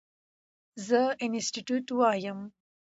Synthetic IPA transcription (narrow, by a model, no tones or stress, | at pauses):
zəɪnɪsʈiʈjuʈuwɑːjəm